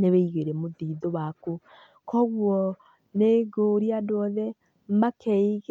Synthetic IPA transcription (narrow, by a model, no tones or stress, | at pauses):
neweiɣeɾɛmoðiːðowaku | kʰɔɣwɔ | neɡoɾiadoɔðɛ | makʰeiɣ